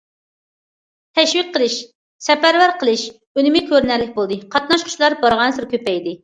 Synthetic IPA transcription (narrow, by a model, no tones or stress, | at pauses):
t̪ʰɛʃwɪk̚ʲqʰːəlˠɨʃ | sɛpæɾwæɾqʰəlˠɨʃ | ønɪmɪkʲʰøɾnæɾlɪk̚ʲbolˠd̪ɨqʰɑt̪̚nɑʃqʰʊ̥t͡ʃlˠɑɾbɑɾʁɑnsɨɾkʲʰøpɛjd̪ɪ